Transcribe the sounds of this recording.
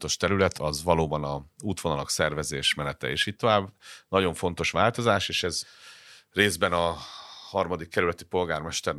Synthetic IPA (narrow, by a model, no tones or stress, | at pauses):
t̪o̞ʃt̪ɛɾylɛt̪ʰɒzʋɒloːbɒnɒzuːt̪ʋonɒlɒksɛrvɛzeːʃmɛnɛt̪ɛ̰ḛːʃiːtt̪o̞vaːbːnɒɟo̞ɱfo̞n̪t̪o̞ʃʋaːlt̪o̞zaːʃeːʃɛz | reːzbɛnɒhɒrmɒd̪ikːɛɾylɛt̪ipo̞lɡaːrmɛʃt̪ɛr